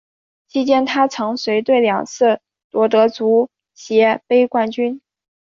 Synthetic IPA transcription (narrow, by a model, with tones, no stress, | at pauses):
t͡ɕʰi˥t͡ɕjɛ˥nt̪ʰa˥t͡sʰɤ˧˥ŋswe˧˥ɪt̪we˥˩ɪljɑ˨˩ŋt͡sʰɹ̩˥˩ | t̪wɔ˧˥t̪ɤ˧˥t͡su˧˥ | ɕjɛ˧˥pe˥ɪkwa˥˩nt͡ɕy˥n